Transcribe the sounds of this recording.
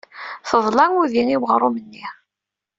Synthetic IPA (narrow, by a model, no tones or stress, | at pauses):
θəðˤlɑnuðiŋiwʁɾˤʊmənːi